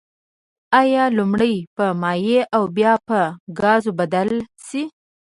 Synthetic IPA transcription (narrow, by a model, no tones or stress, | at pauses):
ɑjɑlumɽəjpəmɑjeʔawbjɑpəɡɑzobad̪alsi